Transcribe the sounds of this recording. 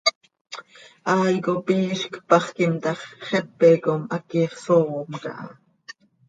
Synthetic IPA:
ʔɑːjkopiːʃkpɑχkimt̪ɑχχepːekomʔakiːχsoomkɑ̰ʔɑ

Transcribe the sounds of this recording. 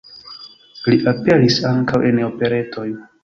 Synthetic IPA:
liʔape̞lisaŋkawʔe̞no̞pe̞ɾe̞to̞j

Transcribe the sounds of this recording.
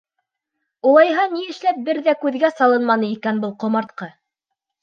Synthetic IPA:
ulˠɑjɦɑniɘ̆ʃlæp̚bɘɾðækʉðɡæsɑlˠɤnmɑnɤikænbɤlˠqŏmɑɾt̪̚qɑ

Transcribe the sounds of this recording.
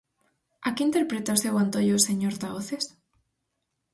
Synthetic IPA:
akeint̪eɾpɾet̪aosewant̪oʎoseɲoɾt̪aoθes

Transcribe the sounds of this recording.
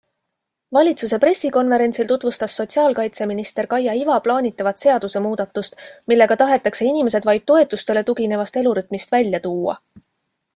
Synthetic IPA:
vɑlʲit̪suse̞pre̞sːiko̞nve̞ɾe̞nt̪silt̪ut̪vust̪ɑsːo̞t̪ʲsiɑːlkɑjt̪se̞minist̪e̞ɾkɑjɑivɑplɑːnʲit̪ːˑɑvɑt̪se̞ɑd̪̥use̞muːd̪̥ɑt̪ːˑust̪milːe̞ɡ̥ɑt̪ɑɦe̞t̪ːˑɑkse̞inʲime̞se̞d̪vɑjd̪̚t̪ːo̞e̞t̪ːˑust̪e̞le̞t̪uɡine̞vɑst̪e̞luɾyt̪ːˑmist̪vælʲjɑt̪uːɑ̰

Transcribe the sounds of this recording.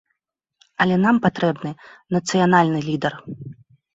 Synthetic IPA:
ɐlʲɛnampat̪ɾɛbnɨnɐt̪sɨjanalʲnɨlʲid̪ɛr

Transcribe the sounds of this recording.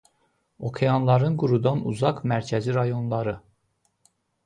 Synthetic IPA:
o̞kʰejɑnlˠɑɾɯnɡuɾud̪ɑnṵzɑkmæɾcʰæziɾɑjo̞nlˠɑɾɯ

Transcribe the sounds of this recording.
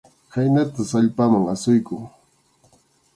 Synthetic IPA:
hajnat̪asaʎpamaŋasʊjkʊŋ

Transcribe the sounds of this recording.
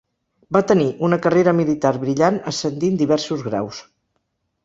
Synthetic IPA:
bat̪əniʔunəkəreɾəmilit̪aɾβɾiʎanəsənd̪ind̪iβɛɾsuzɣɾa̰ws

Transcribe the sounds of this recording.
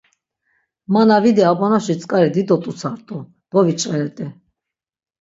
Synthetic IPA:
manavid̪ɛabɔnaʃit͡sʼkʼaɾɛd̪id̪ɔt̪ʼut͡sʰaɾt̪ʼɔ | d̪̥ɔvit͡ʃʼɛɾɛt̪ʼɛ

